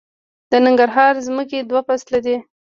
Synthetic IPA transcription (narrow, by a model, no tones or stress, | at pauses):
d̪̥ənɪŋɡaɾɦɑɾzməked̪wapaslad̪i